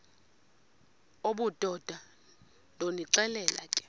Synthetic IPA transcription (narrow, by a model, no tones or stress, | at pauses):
oɓud̥ʱɔd̥ʱa | ndʱoniǀɛlɛla̰kʼɛ̥